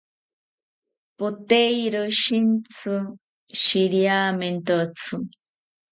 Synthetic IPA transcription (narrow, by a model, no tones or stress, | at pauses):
pot̪ejɾoʃint͡sʰɨ | ʃiɾjament̪ot͡sʰɨ